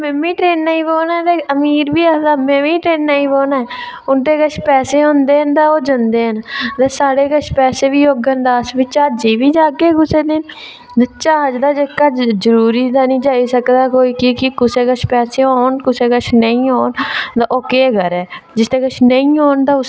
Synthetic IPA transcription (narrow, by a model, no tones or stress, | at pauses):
mɛmĩːʈɾeːnːaːĩːboːnaːt̪eːəmiːɾbiːəd̪aːmẽmĩːʈɾeːnːaːĩːboːnaɛ | ʊnt̪eːkət͡ʃʰpɛːseːɦõːnd̪eːɦənd̪aːoːd͡ʒənd̪eːɦənt̪eːsaːɽeːkəʃʰpɛːseːʋiːoːɡənd̪aːsbɪt͡ʃaːd͡ʒiːʋiːd͡ʒaːɡeːɡʊseːd̪ɪn | d̪et͡ʃaːd͡ʒd̪aːd͡ʒəkːaːzəɾuːɾiːd̪aːnĩːd͡ʒaːiːsəkd̪aːkoːiːkɪkɪkʊseːkəʃʰpɛːseːoːnkʊseːkət͡ʃʰnəĩːɦoːnd̪aʔoːkeːɡəɾɛːd͡ʒɪst̪eːkət͡ʃʰnəĩːɦoːnt̪aːʊs